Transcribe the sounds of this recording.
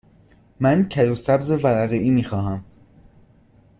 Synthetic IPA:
mæncʰæɾusæbzevæɾæɣeʔiːmiːxɒːɦæm

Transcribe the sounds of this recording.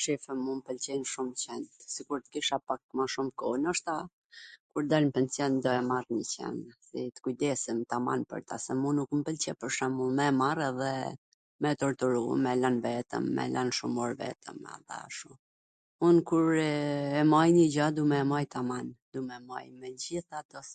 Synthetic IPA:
ʃifəmumpəlt͡ɕɛnʃumt͡ɕɛnt̪sikuɾt̪ə̥kiʃapak̚maʃumkɔnəʃt̪a | kuɾd̪almpɛnsjɔnd̪ɔɛmarɲət͡ɕɛ̰nsit̪ə̥kujd̪ɛsimt̪ama̰npə̰ɾt̪a̰sɛmunukmpəlt͡ɕɛpəɾʃɛmumɛmarɛðɛ | mɛt̪ɔɾt̪uɾṵmɛlanvɛt̪ə̰mːɛ̰lanʃumɔɾvɛ̰t̪ʰə̰ma̰θa̰ʃu | unkuɾɛmajɲəd͡ʑad̪umɛːmajt̪amand̪umɛma̰jmɛd͡ʑiθat̪ɔs

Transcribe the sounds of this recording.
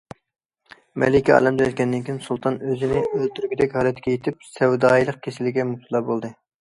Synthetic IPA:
mɛ̰lɪkʲiɑ̰ːlɛmd̪ɛɛlʲkʲɛnːɪnkʲʰiɪnsulˠt̪ʰɑnøzɪnɪølt̪ʰyɾɡʲid̪ɛkʲhɑːlˠɛt̪ʰɡʲɛjet̪ʰɪp̚sɛwd̪ɑːjlˠəq̚kʲʰesɪlɪɡʲɛmupt̪ulˠɑbolˠd̪ɨ

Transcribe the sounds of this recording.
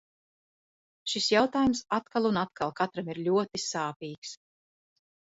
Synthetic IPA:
ʃisjawt̪aːjumsat̪kalˠunat̪kʰalˠkat̪ɾamiɾʎʲuɔt̪isaːpiːks

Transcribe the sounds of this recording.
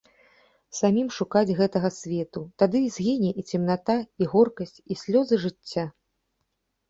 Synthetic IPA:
samʲimʂukad͡zʲɣɛt̪ɐɣɐsʲvʲɛt̪ut̪ad̪ɨzʲɣʲinʲɛʔit͡sʲɛmn̪at̪aiɣɔrkɐsʲt͡sʲisʲlʲɔzɨʐɨt͡sʲːa

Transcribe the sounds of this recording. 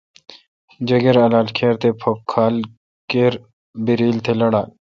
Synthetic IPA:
d͡ʒɐɡeɾɐlaːlkʰeːɾt̪epʰop̚kʰaːl | keɾ | biɾiːlt̪ʰelɐɽaː

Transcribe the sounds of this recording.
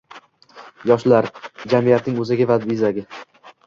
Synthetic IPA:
jɒʃlaɾd͡ʒamijat̪nɪŋɵzɪɡʲavad̪bizaɡʲɪ

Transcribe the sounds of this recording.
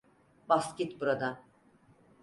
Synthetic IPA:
bascʲit̪buɾad̪an

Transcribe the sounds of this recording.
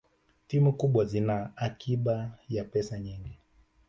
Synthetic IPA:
timukuɓwazinaːkʰiɓajapɛsaɲiŋɡi

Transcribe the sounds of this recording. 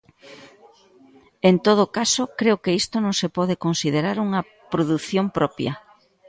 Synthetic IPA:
ent̪oð̞okasokɾeokeist̪onõŋsepɔð̞ekonsiðeɾaɾuŋɐ | pɾoðuθjompɾɔpjɐ̰

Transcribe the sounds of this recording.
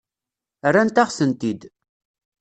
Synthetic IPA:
ərːant̪aʁsənt̪id̪

